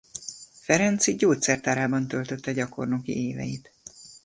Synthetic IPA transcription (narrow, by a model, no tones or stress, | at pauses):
fɛɾɛnt̪siɟoːt̪sɛrt̪aːɾaːbɒnt̪ølt̪ø̞t̪ːɛɟɒko̞rnokḭeːvɛ̰jit̪